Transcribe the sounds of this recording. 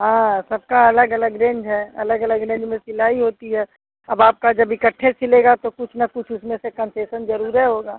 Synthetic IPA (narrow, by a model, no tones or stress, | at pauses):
ɦãːsɐb̚kaɐləɡɐləɡɾẽːɲd͡ʒɦɛːɐ̰ləɡɐləɡɾẽːɲd͡ʒmẽsɪlaːiɦoːt̪iɦɛː | ɐbaːp̚kad͡ʒɐbɪkəʈʰːẽt͡ʃʰɪleːɡat̪okʊt͡ʃʰnɐkʊt͡ʃʰʊsmẽsekənseːsənzəɾuːɾɦɛɦoːɡaː